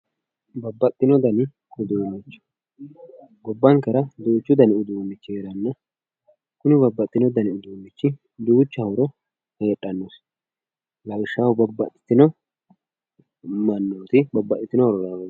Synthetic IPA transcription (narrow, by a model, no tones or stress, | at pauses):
bɐbːɐt̪ʼːɪnɔd̪ɐnɪ | ʊd̪uːnɪt͡ʃːʊ̥ | ɡɔbːɐŋkɛɾɐd̪uːt͡ʃːʊd̪ɐnɪʊd̪uːnːɪt͡ʃːɪeɾɐnːɐ | kʊnɪbɐbːɐt̪ʼːɪnɔd̪ɐnɪʊd̪uːnːɪt͡ʃːɪ | d̪uːt͡ʃːɐhʊɾɔ | heːᶑʼːɐnːos | lɐwʃːawʊbɐbːɐ̰t̪ʼːɪ̥t̪ːɪnɔ | mɐnːoːt̪ɪbɐbːɐt̪ʼːɪt̪ːɪnɔɾɔɾɐ